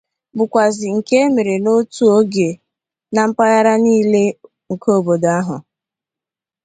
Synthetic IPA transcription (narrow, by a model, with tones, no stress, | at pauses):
bʊ˨kʷa˨zɪ˨ŋ̩˨ke˦e˦me˨ɾe˨no˦tu˦o˦ɡe˨ | na˨m̩˦pa˦ja˦ɾa˦niː˦le˦ | ŋ̩˨kʰo˦bo˨da˦ɦʊ̰˨